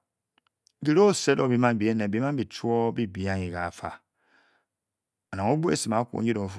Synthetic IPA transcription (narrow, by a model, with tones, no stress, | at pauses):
ɡi˨ɾo˦˨se˦do˨bi˨˦ma˦n˨bi˨e˦nɛ˨bi˦a˦bi˨t͡ʃu˦o˦bi˦bi˨a˦ɲi˨ɡa˨fa̰˨ | a˨na˨ŋo˦bu˦ḛ˦˨si˨ma˨˦ku˦o̰˨ɲ˦i˦do˨f